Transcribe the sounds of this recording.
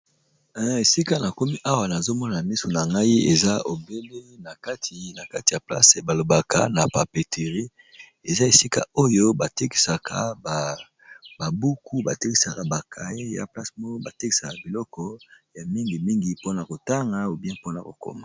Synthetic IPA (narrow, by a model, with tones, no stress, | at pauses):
e˨si˦ka˦na˨ko˦mi˦ʔa˦wa˨na˨zo˦mɔ˦na˨mi˦so˨na˨ŋɡa˦i˦e˨za˦o˨be˦le˦na˨ka˦tʰi˨na˨ka˦ti˨a˨pla̰˦se˨ba˨lo˨ba˨ka̰˦na˨pa˨pe˨tʰe˨ʁi˦ | e˨za˦e˨si˦ka̰˦o˦jo˦ba˨te˦ki̥˨sa˨kʰa̰˨ba˨ | ba˨bu˦ku˦ba̰˨te˦ki˨sa˨ka˨ba˨kʰa˨e˦ja̰˨pla˦smo˦ba˨te˦ki̥˨sa˨ka˨bi˨lɔ˦kɔ˦ja˨mi˦ŋɡi˨mi˦ŋɡi˨po˦na˨ko˨ta˦ŋɡa˦o˨bjɛ̃˦po˦na̰˨ko̰˨ko̰˦ma˨